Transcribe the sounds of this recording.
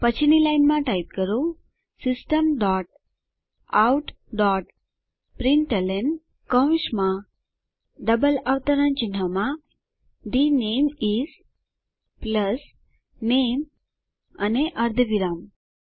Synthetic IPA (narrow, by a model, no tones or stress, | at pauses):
pət͡ɕʰinilajnmãʈajp̚kəɾo | sisʈəmɖɔʈ̚ | awʈ | ɖɔʈ | pɾiɳʈəlen | kə̃w̃ɕmã | ɖəbəlaʋt̪əɾãnt͡ɕin̤ama | d̪inemiz | pləs | nem | aneʔəɾd̪ʱəʋiɾam